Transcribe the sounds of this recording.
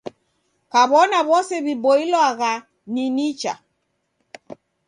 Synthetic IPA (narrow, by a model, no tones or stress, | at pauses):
kaβɔnaβɔsɛβibɔilwaɣa | ninit͡ʃa̰